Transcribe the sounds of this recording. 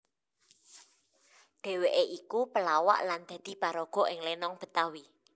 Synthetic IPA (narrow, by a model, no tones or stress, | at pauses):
ɖ̥e̤weʔeʔikupəlawa̰ʔland̪̥ä̤d̪̥i̤paɾɔɡ̥ɔ̤ʔɪŋlenɔŋb̥ə̤t̪awi